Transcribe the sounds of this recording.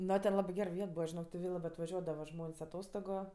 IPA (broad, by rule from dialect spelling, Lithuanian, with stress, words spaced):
ˈnoː tʲɛn ˈlˠɑːbɜ ˈɡʲɛr ˈʋʲiɛt ˈbuːʋɐ ʒʲɪˈnoːk tʲɪ ˈʋʲeː lˠɐbɜ ɐtʋɐˈʒʲuɔdɐʋɐ ˈʒmoːnʲsʲ ɐˈtoːstoːɡʊ